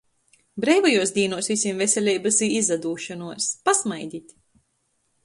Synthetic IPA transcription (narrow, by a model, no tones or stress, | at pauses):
bɾɛjvajuɔsd̪ʲiːnuɔsvisʲimvesʲɛlʲɛjbasiːizad̪uːʃɔnuɔspasmajd̪ʲit̪ʲ